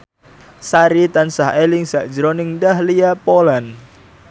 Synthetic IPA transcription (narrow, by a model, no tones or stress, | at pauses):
saɾit̪ansahelɪŋsaʔd̥d͡ʒəɾonɪŋdahliapolan